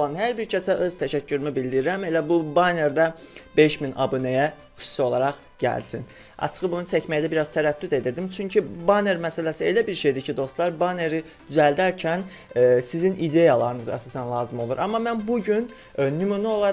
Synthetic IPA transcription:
lˠɑnɦæɾbiɾcʰæsæʔø̞z̥t̪ʰæʃæcʰːyɾymibild̪iɾiɾæme̞læbubɑne̞ɾd̪æbe̞ʃminɑ̰bunejæ | xy̥su̥sio̞lˠɑɾɑχ | ɟæ̰lsin | ɑ̰t͡ʃʰɯ̥ɣɯbunut͡ʃʰæcmæjd̪æbiɾɑz̥t̪ʰæɾæt̪ːyd̪e̞d̪iɾd̪imt͡ʃʰyɲcʰibɑne̞ɾmæsælæsielæbiɾʃe̞jd̪icʰid̪o̞st̪lˠɑɾbɑne̞ɾi | d̪yzæld̪æɾcʰæn | sizinʔid̪ejɑlˠɑɾɯnɯzɑ̰sɑsænlˠɑːzɯmo̞lˠuɾʔɑmːɑmænbuɟyn | nymunio̞lˠɑ

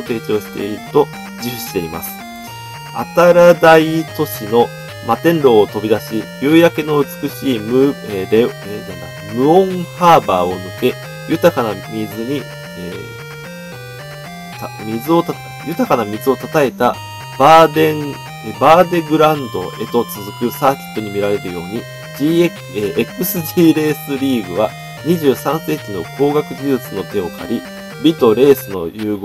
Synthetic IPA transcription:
t̪e̞ːt͡ɕo̞ːɕi̥t̪e̞̰iɾɯt̪o̞ | d͡ʑɨɕi̥t̪e̞ɾima̰sɨ̥ | a̰t̪aɾad̪ait̪o̞ɕino̞ | mat̪ẽ̞nɾo̞ːt̪o̞bʲid̪aɕibʲɯːjake̞no̞ɯ̟t͡sɨ̥kɯ̟ɕiːmɯeɾe | d̪and̪akɯmɯ̟õ̞ŋhaːba̰ːo̞nɯ̟ke̞ | jɯ̟t̪akanamʲizɨɲ̟i | e | t̪amʲizɨo̞t̪a | jɯ̟t̪akanamʲizɨo̞t̪at̪ae̞t̪a | b̥ad̪ẽ | ebaːd̪e̞ɡɯ̟ɾãnd̪o̞̰ʔe̞̰t̪o̞t͡sɨzɨkɯ̟saːkʲi̥t̪ːo̞ɲ̟imʲiɾaɾe̞ɾɯ̟jo̞ːɲ̟i | d͡ʑiːek | eʔekɯ̟sɨʑiːɾe̞ːsɨɾʲiːɡɯ̟βa | ɲ̟iʑɨːsãɰ̃se̞ːkino̞̰kʰo̞ːɡakɯ̟ʑizɯt͡sɨno̞t̪e̞o̞kʰa̰ɾʲi | bʲit̪o̞ɾe̞ːsɨno̞̰jɯ̟ːɡ

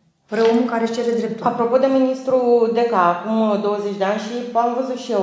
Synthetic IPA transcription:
pɾeomukaɾet͡ʃeled̪ɾep̚t̪apɾo̞po̞d̪e̞minist̪ɾud̪e̞kaːkumd̪o̞wəzet͡ʃʲd̪e̞anʲʃipamvəzut̪ʃie

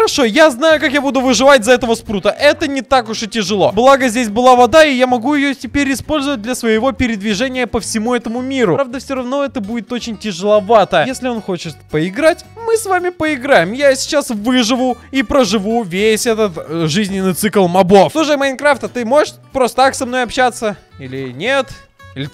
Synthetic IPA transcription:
əɾɐʂo̞jaznajʊkakjabud̪ʊvɨʐɨvat̚ʲzɐɛt̪əvəspɾut̪əʔɛt̪ənʲɪt̪akʊʂɨtʲɪʐɨlˠo̞blˠaɡəzʲdʲes̬ʲbɨlˠavɐd̪aɪjamɐɡujɪjotʲɪpʲeɾʲɪspo̞lʲzəvət̚ʲd̪lʲɐsvəjɪvo̞pʲɪɾʲɪd̪vʲɪʐɛnʲɪjəpəfsʲɪmuɛt̪əmʊmʲiɾʊɾavd̪əfsʲoɾɐvno̞ɛt̪əbudʲɪt̪o̞t͡ɕɪnʲtʲɪʐɨlˠɐvat̪əəjesʲlʲɪo̞nxo̞t͡ɕɪt̪pəɪɡɾatʲmɨsvamʲɪpəɪɡɾajɪmjasʲɪ̥t͡ɕasvɨʐɨvʊipɾəʐɨvuvʲesʲɛt̪ət̪ʐɨzʲnʲɪnːɨjt̪sɨklˠmɐbo̞flˠuʂ̬əjmɐnʲkɾaft̪ət̪ɨmo̞ʐɨʂ | pɾost̪əaksɐmno̞jɐpɕat̪sːə | ilʲɪnʲet̪ | ilʲɪ

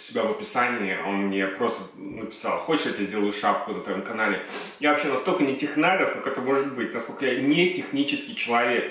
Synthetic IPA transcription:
ʊ̥sʲɪbʲavəpʲɪsanʲɪɪo̞nmnʲepɾo̞st̪ə | nəpʲɪ̥sa̰lˠxot͡ɕʲɪ̥ʂjat̪ʲazʲdʲe̞lˠəjʊʂapkʊnət̪vɐjo̞mkɐnalʲɪjavɐpɕenɐst̪okənʲɪtʲɪxnaɾʲəsnokak̚t̪əmo̞ʐɨt̪̚bɨtʲnɐskolʲkəjanʲetʲɪxnʲit͡ɕɪskʲɪjt͡ɕɪlˠɐvʲe̞k

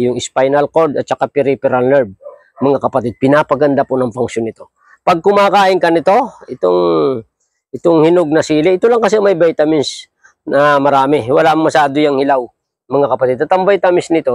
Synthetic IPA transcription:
jʊŋɪspajnɐlkoɾd̪ɐt̪̚t͡ʃɐkapɪɾipɛɾalnɛɹb̚ | mɐŋakɐpɐt̪ɪd̪̚pɪnaːpɐɡɐnd̪apʊnɐŋpaŋʃjonɪt̪o̞ | pɐɡ̚kʊmaːkaːʔɪŋkɐnɪt̪o̞ʔɪt̪oŋ | ʔɪt̪oŋhɪnoɡ̚nɐsiːlɪʔɪt̪olɐŋkɐs̬ɛmɐjbɛjt̪ɐmɪns | nɐmɐɾaːmɪwɐlaʔmːɐsaːd̪ojɐŋhɪlaw | mɐŋakɐpɐt̪ɪd̪ɐt̪ɐmbajt̪ɐmɪsnɪt̪o̞

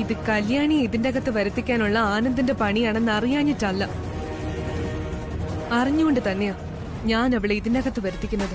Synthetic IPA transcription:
iðɨkɐljaːɳijiðindeɣɐt̪ːɨʋɐɾut̪ːikʲːaːnuɭːɐaːnɐnd̪inde̞pɐɳijaːɳe̞nːɐrijaːɲːitːɐlːɐ | ɐriɲːuɣoɳɖɨt̪ɐnːe̞jaː | ɲaːnɐʋiɭeiðindeɣɐt̪ːɨʋɐɾut̪ːikʲːunːɐðɨ

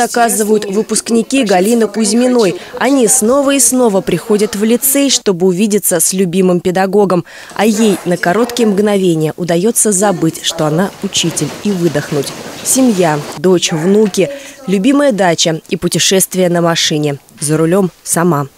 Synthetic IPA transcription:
ɐkazɨvəjʊt̪vɨpʊsknʲɪkʲiɡɐlʲinəkʊzʲmʲɪno̞jɐnʲisno̞vəisno̞vəpɾʲɪxo̞dʲət̪vlʲɪt̪sɛʂt̪o̞bɨʊvʲidʲɪt̪səsʲlʲʉbʲimɨmpʲɪd̪ɐɡo̞ɡəm | ɐjejnəkɐɾo̞t̪kʲɪjəmɡnɐvʲenʲɪjəʔʊd̪ɐjo̞t̪sːəzɐbɨtʲʂt̪o̞ɐnaʊt͡ɕitʲɪlʲivɨd̪əxnʊtʲsʲɪmʲjad̪o̞t͡ɕvnukʲɪlʲʉbʲiməjəd̪at͡ɕəipʊtʲɪʂɛst̪vʲɪjənəmɐʂɨnʲɪzəɾʊlʲo̞msɐma

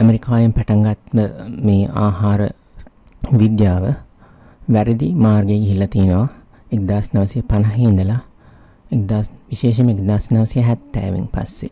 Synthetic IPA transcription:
ɐmeɾikaːjimpæʈaŋɡat̪məmeːʔa̰ːɦaːɾə | ʋid̪jaːʋə | ʋæɾid̪imaːrɡejɡiɦilːɐt̪ijenəʋa | ek̚d̪aːsnɐʋɐsijəpanɐɦiːnd̪əla | ek̚d̪aːsʋiʃeːʃ̬ɐmekd̪aːsnɐʋɐsijəɦæt̪ːæ̰ːʋḭŋpa̰sːḛ

